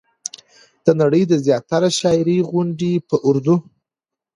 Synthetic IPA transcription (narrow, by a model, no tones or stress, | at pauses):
d̪̥ənaɽəjd̪əzjɑt̪aɾaʃɑɪɾiɣʊɳɖipəʔʊɾd̪u